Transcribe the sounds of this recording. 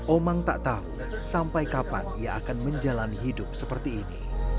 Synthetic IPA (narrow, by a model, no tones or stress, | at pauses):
ʔomaŋt̪a̰ʔt̪au | sampajkapa̰nijaʔakanməɲd͡ʒalanɦidʊp̚səpərt̪iːnḭ